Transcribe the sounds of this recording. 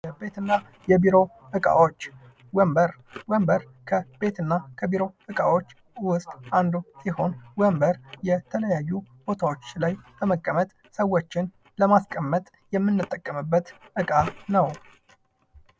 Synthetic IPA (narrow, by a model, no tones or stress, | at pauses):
jəbe̞t̪ɨnːa | jɛbiɾo̞ | ɨkʼa̰wot͡ʃː | wəmbəɾwəmbəɾ | kʰəbe̞t̪ɨnːakʰəbiɾo̞ʔɨkʼawo̞t͡ʃː | wʊst̪ʼʔand̪usiho̞nwəmbəɾjɛt̪ʰələjajːub̥o̞t̪ʰawo̞t͡ʃːlajb̥əməkʼːəmət̪ʼ | səwːot͡ʃːɪn | ləmaskʼəmːət̪ʼ | jɛmːɨnːɨt̪ʼːəkʼːəmɨbːət̪ʔɨkʼanəw